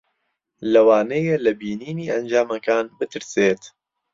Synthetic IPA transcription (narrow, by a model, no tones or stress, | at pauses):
lɐwaːnejelɐbiːniːniːʔɐnd͡ʒaːmɐkaːnbɨt̪ʰɨɾseːt̪